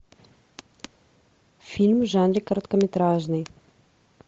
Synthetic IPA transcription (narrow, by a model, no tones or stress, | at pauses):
filmʒanɖ͡ʐekaɾt̪kamet̪ɾaʒni